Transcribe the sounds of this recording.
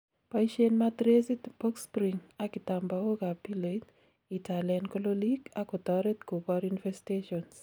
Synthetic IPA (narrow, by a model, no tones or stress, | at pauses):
paiʃenmad̪ɾesitbokspɾiŋakit̪ambaoɡapilet | itʰalɛnkololiɡakɔt̪ɔɾet̪kobaɾunfɛsteʃɔns